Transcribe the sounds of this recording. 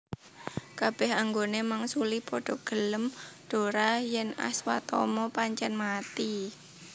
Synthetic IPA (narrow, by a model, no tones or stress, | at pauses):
kab̥ɛhaŋɡonemaŋsulipɔɖ̥ɔ̤ɡ̥ələmɖ̥o̤ɾajɛna̰swa̰t̪ɔ̰mɔpaɲt͡ʃɛnmat̪i